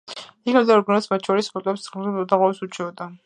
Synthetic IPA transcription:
ikʰamd̪aɾɡnɛsmat̪̚t͡ʃʰɔɾispʰɔt̪ʼɛpszʁd̪aʁwasut͡ʃʰɛɔd̪a

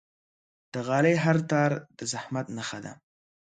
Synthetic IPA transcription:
d̪̥əɣɑlejɦaɾt̪ɑɾd̪̥əzahmat̪naxad̪a̰

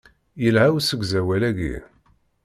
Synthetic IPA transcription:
jəlhæwsəɡzæwælæɡḭɾ

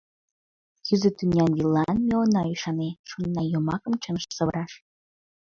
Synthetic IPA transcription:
kʰyzət̪ynʲɑnjilːɑnmeonɑiʃɑneʃonːɑjomɑkə̆mt͡ɕənʃsəβəɾɑʃ

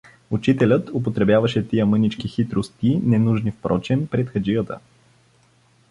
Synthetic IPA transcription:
ut͡ʃit̪ɛlʲət̪ʊp̬ot̪ɾɛbʲjavəʃɛt̪ijəmɤnit͡ʃk̟ixit̪ɾost̪inɛnuʒnifpɾʔɔt͡ʃɛnpɾɛt̪xəd͡ʒijət̪ə̰

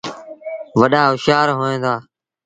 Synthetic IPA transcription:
ʋəɗaːʊʃaːɾɦoːẽːd̪aː

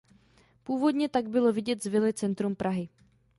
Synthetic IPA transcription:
puːvo̞d̪ɲɛt̪aɡ̚bɪlo̞vɪɟɛt̪zvɪlɪt͡sɛnt̪ɾumpɾʔaɦɪ

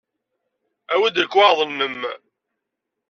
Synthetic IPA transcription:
æwæd̪əlkːwɑðˤənːəm

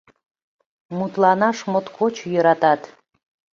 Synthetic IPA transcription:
mut̪lɑnɑʃmot̪kʰot͡ɕjəɾɑt̪ɑt̪

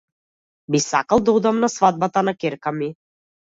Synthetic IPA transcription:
bisakalˠd̪ɔjd̪amnasvad̪̚bat̪anakɛɾkami

